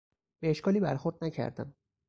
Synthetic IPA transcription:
b̥e̞eʃkʰɒːliːbæɾxoɾd̪næcʰæ̰ɾd̪æ̰m

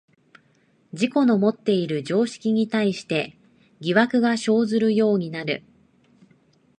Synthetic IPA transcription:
d͡ʑiko̞no̞mo̞t̪ːe̞iɾɯ̟d͡ʑo̞ːɕi̥kʲiɲ̟it̪aiɕi̥t̪e̞ | ɡʲiβakɯ̟ɡaɕo̞ːzɨɾɯ̟jo̞ːɲ̟inaɾɯ̟

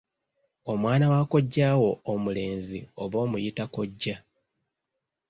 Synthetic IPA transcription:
o̞mwaːnawako̞ɟːaːwo̞ːmule̞ːnzio̞βo̞ːmujitako̞ɟːa

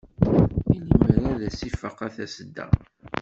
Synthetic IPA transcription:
iliməɾæðæsifəqːæθæsəd̪ːə̰

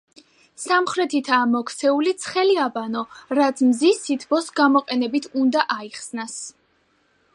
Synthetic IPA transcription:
samχɾɛt̪ʰit̪ʰaːmɔkʰt̪sʰɛulit̪sʰχɛliabanɔɾat̪sʰmzisit̪ʰbɔsɡamɔqʼɛnɛbit̪ʰund̪aʔaiχsnas

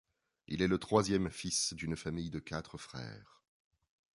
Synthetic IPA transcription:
ḭlɛlət̪χwazjɛmfisd̪ynfamijd̪əkat̪χəfχɛ̰ːʁ

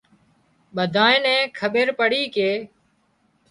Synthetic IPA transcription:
ɓəd̪ʱaːẽːnɛ̃ːkʰəɓeɾpəɽiːkeː

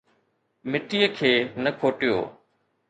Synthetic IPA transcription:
mɪʈijəkʰeːnəkʰoːʈɪjo̰ː

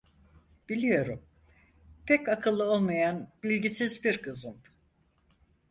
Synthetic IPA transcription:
b̥ilʲijo̞ɾum | pʰɛcakʰɯlˠːɯo̞lˠmajanbiilʲɟisizbiɾkʰɯzɯm

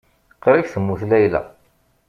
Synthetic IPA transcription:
qɾifθəmːuθlæjlæ̰

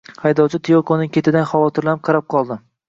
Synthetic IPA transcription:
hajd̪ɒwt͡ʃʰɪt̪ʰijokʰonɪŋkʲʰe̞t̪ʰɪd̪anχavɒt̪ʰɪɾlanɪp̚qʰɑɾap̚qʰɒlˠd̪ɪ

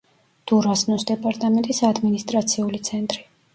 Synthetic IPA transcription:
d̪̥uɾasnɔsd̪ɛpʼaɾt̪ʼamɛnt̪ʼisad̪minist̪ʼɾat̪sʰiulit̪sʰɛnt̪ʼɾi

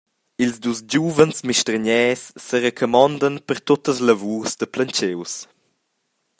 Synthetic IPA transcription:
ilzdusd͡ʑuːvənsmiʃtɾəɲɛːsːəɾəkʰɔmɔnd̪ənpəɾt̪ot̪əsləvuːsd̪əplənt͡ʃews

